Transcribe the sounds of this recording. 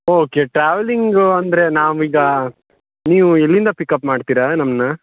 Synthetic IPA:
oːke̞ʈɾaːʋeliŋɡɐnd̪ɐɾe̞naːʋuiːɡɐ | niːʋuelːind̪ɐpikːɐpmaːɖt̪iːɾanɐmnɐ

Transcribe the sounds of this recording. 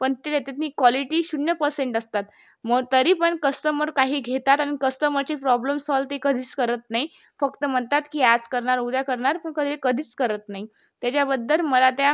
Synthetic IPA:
pəɳt̪et̪jat̪at̪niːkwɔliʈiːɕunjəpəɾseɳʈəst̪at̪ | məɡt̪əɾiːpəɳkəsʈəməɾkaɦiːɡʱet̪at̪añikəsʈəməɾt͡ɕepɾɔbləmsɔlt̪ekəd̪ʱiːt͡skəɾət̪naɦi | fəkt̪əm̤əɳt̪at̪kiːad͡zkəɾɳaɾud̪jakəɾɳaɾpəɳkəd̪ʱekəd̪ʱiːt͡skəɾət̪naɦi | t̪jat͡ɕjabəd̪ʱːəlməlat̪ja

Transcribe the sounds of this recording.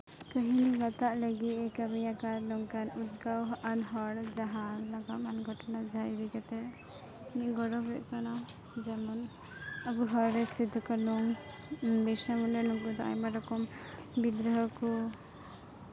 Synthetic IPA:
kəɦiniɡat̪aʔləɡit̪ɛkamɛjakaɾnɔŋkanut̪̚ɡawɦʔanɦɔɽd͡ʒaɦanlaɡamanɡʱɔʈɔnad͡ʒaaɾɛkɛt̪ɛ | niɡɔɾɔbɛʔkana | d͡ʒamɔn | abuɦɔɾɾɛst̪ʰit̪ukanuŋ | bɛsamunɛnɔŋkud̪ɔʔa̰jmaɾɔkɔm | bid̪ɾəɦɔkɔ

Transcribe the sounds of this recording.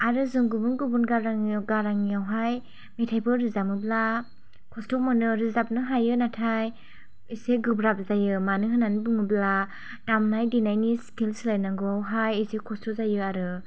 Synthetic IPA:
aɾɯzɯŋɡubunɡubunɡaɾaŋɡaɾaŋijawɦaj | metʰajbɯɾɯzamɯbla | kʰɔstɔmɔnɯɾɯzap̚nɯɦajɯnatʰaj | iseɡɯbɾap̚zajɯmanɯɦɯnanibɯŋɯbla | tamnajdinajnisi̥kʰilsɯlajnaŋɡɯawɦajisekʰɔstɔzajɯaɾɯ

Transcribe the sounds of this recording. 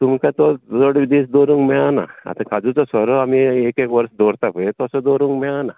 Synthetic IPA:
t̪umkãt̪ɔdɔɽʋid̪isd̪oɾũŋɡmɛana̰a̰t̪ãkad͡zut͡sɔsɔɾɔamiekekʋəɾsd̪ɔɾt̪apəet̪ɔsɔd̪oɾũŋɡmɛana

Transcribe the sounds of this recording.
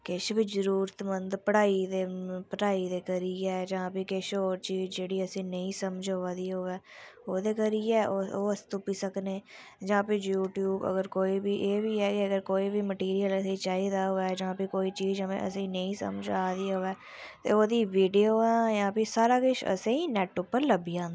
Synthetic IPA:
kɪʃbɪzəɾuːɾət̪mənd̪pəɽaːid̪eːpəʈaːiːd̪eːkəɾiːɛːd͡ʒãːpiːkɪʃoːɾt͡ʃiːzd͡ʒeːɽiːəsĩːnəĩːsəməd͡ʒoad̪iːɦoːɛːoːd̪eːkəɾiːɛːʔooːəst̪ʊpiːsəkneː | d͡ʒãːpejuːʈjuːbə̰ɡəɾkoːiːbiːʔeːbiːɛːkeəɡəɾkoːiːbiːməʈiːɾijələsĩːt͡ʃaːiːd̪aːɦoːɛːd͡ʒãːpekoːiːt͡ʃiːd͡ʒəmḛ̃ʔə̰sĩːnəĩːsə̰md͡ʒaːd̪iːɦoːɛː | t̪ḛːoːd̪iːʋiːɖioːɛ̃ːjãːpiːsaːɾaːkɪʃə̰sẽːĩːnɛːʈːʊpːəɾləbiːãːnd̪

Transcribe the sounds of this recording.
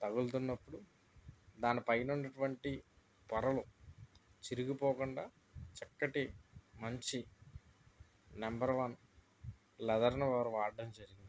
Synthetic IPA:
t̪ɐɡult̪unːɐpːuɽu | d̪aːnipɐjɐnunːɐʈuʋɐɳʈi | p̪ɐɾɐlu | t͡ʃiɾuɡipoːkuɳɖaː | t͡ʃɐkːɐʈimɐɲt͡ʃi | nɐmbɐɾʋɐn | lɛd̪ɐɾnɐʋaːɾuʋaːɖɖɐmd͡ʒɐɾiɡind̪i

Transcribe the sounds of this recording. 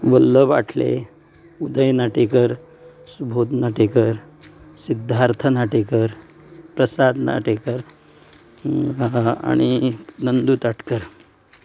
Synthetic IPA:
ʋəlːəʋa̰ʈʰlḛ | ud̪əjnaʈekəɾ | subʱod̪naʈekəɾ | sid̪ʱːaɾt̪ʰənaʈekəɾ | pɾəsad̪na̰ʈekəɾ | a̰ɽ̃inənd̪uːt̪aʈkəɾ

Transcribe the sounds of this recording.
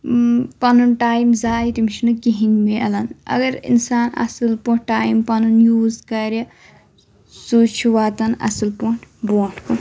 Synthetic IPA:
pɐnunʈaːjmzaːjt̪imit͡ʃʰinukiɦiŋmeɐlɐnɐ̰ɡɐɾḭnsaːnɐ̰sɨlpoʈaːjmpɐnunjuːzkɐɾʲjɐ | sut͡ʃʰuwaːt̪ɐnɐ̰silpuʈʰboːʈko

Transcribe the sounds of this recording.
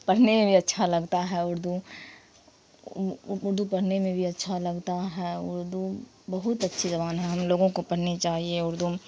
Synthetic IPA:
pɐɽ̤nemẽbʱiɐtːʃʰalɐɡt̪aɦɛʊɾd̪ʱu | ʊʊɾd̪upɐɽ̤nemẽbʱiɐtːʃʰalɐɡt̪aɦɛʊ̰ɾd̪u | bɐɦʊt̪ɐtːʃʰizɐbaːnɦɛɦɐmloːɡõkopɐɽ̤net͡ʃaːɦieʊɾd̪ʱu

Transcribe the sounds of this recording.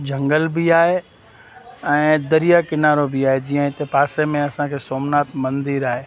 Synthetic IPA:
d͡ʑɐ̃ŋɡəlbiaːɦe | ɛ̃ːd̪ɐɾijakɪnaːɾobʱiaːɦed͡ʑijə̃ɦɪt̪epaːsemẽɐsãkʰeːsoːmnaːt̪mɐ̃nd̪iːɾaːɦeː

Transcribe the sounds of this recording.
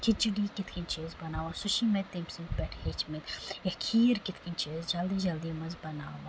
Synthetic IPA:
kʰɪt̪̚d͡ʒuɖiːkɪt̪ʰkĩnt͡ʃeːzbɐnaːʋãsʊʃimet̪ːemsĩtpɛʈʰhet͡ʃmet̪jɐkʰiːɾkɪt̪kint͡ʃeːzd͡ʒɐld̪id͡ʒɐld̪imɐzbɐnaːʋãː

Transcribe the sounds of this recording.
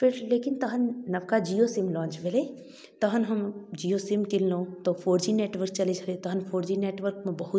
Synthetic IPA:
pʰɪɾleːkɪnt̪ɐɦənnɐbkad͡ʒijosɪmlɔ̃ːnt͡ʃbeleː | t̪ɐɦənɦɐmd͡ʒiːosɪmkɪllõːt̪ofʰoːɾd͡ʒineːʈʋəɾk̚t͡ʃɐled͡ʒɐlet̪ɐɦənpʰoːɾd͡ʒineːʈʋəɾkmẽbɐɦʊt̪

